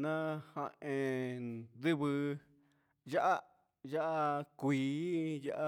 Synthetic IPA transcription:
nã˦hã˧ẽ˧ | ðɨ˦βɨ˧ | ja˦ʔa˦ | ja˦ʔa˧kʷiː˨˦ja˧ʔa˦

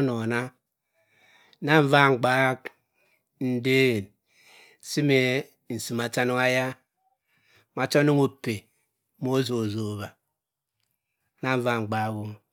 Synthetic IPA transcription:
no˨na˦ | na˦ɱ̩˦va˦ŋ͡m̩˨ɡ͡ba˦k | n̩˦de˦˨n | si˦me˨ | n̩˨si˨ma˨ta˦no˦a˦ja˦ | ma˨t͡ʃo˦no˦ŋo˨pːe˨ | mo˦zo˨zo˨βa˨ | na˦ɱ̩˦va˦˨ŋ͡m̩˨ɡ͡ba˦˨ɡu˦

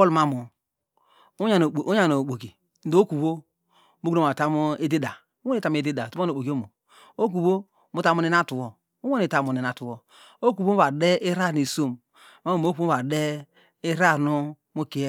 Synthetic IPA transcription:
o˦lma˦mu˨ | u˦a˨no˨ʔu˦ɲ˦a˦n˨o˨k͡po˨ki˨ | n̩˦do˦ku˨βo˦ | mu˦ɡo˦˨m˨a˨ta˦mu˦e˦di˦da˨ | u˦o˦i˨ta˨˦m˦e˨di˦da˨tu˦o˨k͡po˨ko˦mo˨ | o˦k̬u˨βo˦ | mu˦ta˦˨mu˨˦ni˦na˦tu˨wo˨ | u˦o˦ni˨ta˨mu˨ni˨a˨tu˨wo˨ | o˦ku˨bo˦a˨de˦i˦ɾa˦ɾni˨so˦˨m | ma˦mo˨m˨˦ku˨˦o˦a˨de˦ | i˦ɾa˦˨nu˦ | mu˦ki˨e˦

